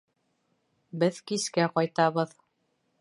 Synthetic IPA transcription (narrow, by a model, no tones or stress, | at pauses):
bɘðkiskæqɒjt̪ɑβɤð